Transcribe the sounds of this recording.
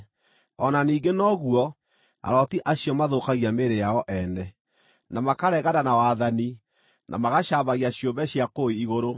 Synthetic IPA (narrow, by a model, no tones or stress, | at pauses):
ɔnaniːɡenɔɣwɔ | a̰ɾɔtiʔaɕjɔmaðokaɣiameɾejaɔʔɛnɛ | namakaɾɛɣaɾanawaðani | nʔa̰maɣaʃaβaɣiaɕjombɛɕjakoiiɣoɾo